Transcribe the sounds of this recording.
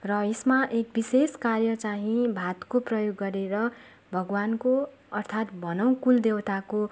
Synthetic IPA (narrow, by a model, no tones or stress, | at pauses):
rʌesmaʔek̚biseskarjʌt͡saɦĩbʱat̪koprʌjoɡːʌɾeɾʌ | bʱʌɡwanko | ʌrt̪ʰat̪bʱʌnʌw̃kuld̪ewt̪ako